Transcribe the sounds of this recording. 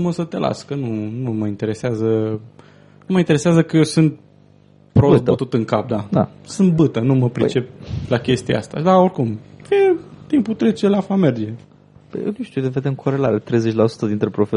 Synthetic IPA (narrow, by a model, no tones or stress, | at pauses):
məsət̪e̞la̰skənunuməint̪e̞ɾe̞seazə | numəint̪eɾe̞seazəkəjewsɨnt̪̚ | pɾob̪ət̪ut̪ɨŋkap̚d̪ad̪a̰sɨnt̪̚bɨt̪ənuməpɾit͡ʃe̞p̚ʲlakʲe̞st̪ia̰a̰st̪a̰d̪aoɾʲkumket̪imput̪ɾe̞t͡ʃelafame̞rd͡ʒe̞ | pə̰jḛnuʃt̪ud̪eved̪emkʰoɾelaɾet̪ɾejzet͡ʃʲlasu̥t̪əd̪int̪ɾepɾofe